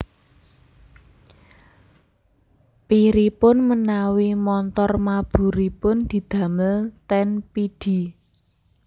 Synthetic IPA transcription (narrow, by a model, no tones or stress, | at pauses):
piɾipʊnmənawimɔnt̪ɔrmab̥ṳɾipʊnd̪̥i̤d̪̥ä̤məlt̪ɛnpid̥i̤